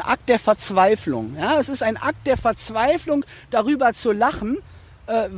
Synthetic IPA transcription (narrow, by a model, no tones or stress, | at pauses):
ʔa̰k̚t̚d̥eːɐfɛɐt͡sv̥aɪflʊ̰ŋjaːɛsɪstaɪnʔak̚t̚d̥eːɐfɛɐt͡sv̥aɪflʊŋ | d̥aʁ̞yːbɐt͡sulaχn̩ | ʔɛːv